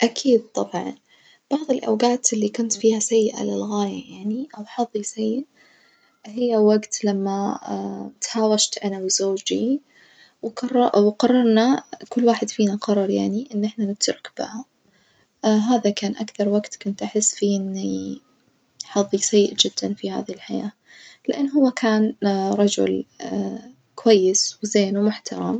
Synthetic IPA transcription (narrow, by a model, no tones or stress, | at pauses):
ʔakʰiːd̪̚t̪ˤɑbʕɑ̰n | b̥ɑʕðˤɪlʔa̰wɡaːt̪ʔɪlːikʊnt̪fiːhasajːɪʔa̰lɪlɣaːjajaʕniʔawħɑðˤːisajːɪʔ | hɪjːawaɡt̪lamːa | t̪haːwaʃt̪ʔanawzoːd͡ʒi | wqɑrˤːɑwqɑrˤːɑɾˤnakʊlːwaːħɪd̪fiːnaqɑrˤːɑɾˤjaʕniʔɪnːʔɪħnanɪt̪ɾˤʊkb̥ɪ̰ha | ɦaːðakaːnʔakθɑɾˤwaɡt̪kʊnt̪ʔaħɪsːfiːʔɪnːi | ħɑðˤːisajːʔd͡ʒɪd̪̥ːanfiha̰ːðilħajaː | lɪʔanːɦʊwːakʰaːnɾˤɑd͡ʒʊ̰l | kʊwajːɪswzeːnwmʊħt̪ɑɾˤɑ̰m